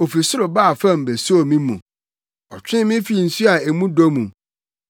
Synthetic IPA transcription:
o˨fi˨sʊ˦ɾʊ˨ba˦˨fã˦˨m̩˨be˨so˦o˨mĩ˦mṵ̃˨ | ɔ˨t͡ɕᶣɪ̃˦mɪ̃˦fi˦˨n̩˨su˦a˨e˨mũ˦do˦mũ˨

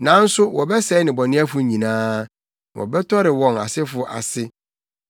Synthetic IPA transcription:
nã˨˦n̩˦sʊ˦wɔ˨bɛ˦sɛ˦nɪ̃˨bɔ˨nɪ̃˦a˦fʊ˨ɲĩ˨nãː˦˨ | ʔɔ̰˨bɛ˦tʰɔ˦ɾɪ˨wɔ̃˨na̰˨sɪ˦fʊ˨ʔa̰˨sɪ˦

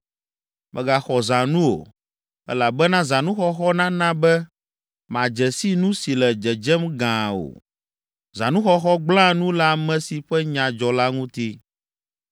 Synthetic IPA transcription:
mʔɛ̰̃˨ɡa˨xɔ˨zã˨nũ˦o̰˨ | ɛ̰˦la˨bɛ˦nã˦zã˨nũ˦xɔ˦xɔ˦nã˦nã˦bɛ˦ | mã˨d͡ʒɛ˨si˦nũ˦si˨lɛ˨d͡ʒɛ˨d͡ʒɛ˦mɡã˨o̰˨ | zã̰˨nũ˦xɔ˦xɔ˦ɡ͡blã˦nũ˦la˦mɛ̃˦si˨ɸɛ˦ɲã˨d͡ʒɔ˨la˦ŋũ˦t̪i˦

